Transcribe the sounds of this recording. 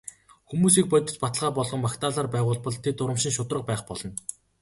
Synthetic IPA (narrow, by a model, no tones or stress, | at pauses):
xumuːsiːk̚pœt̪ʲɪ̆t͡ɕpat̪əɮʁaːpɔɮʁɞ̆mmakt̪aːɮaːrpæːʁʊːɮpɞ̆ɮt̪ʰet̪ʊɾə̆mʃɪ̆ŋʃʊt̪rə̆q̚pæːχpɔɮɞ̆n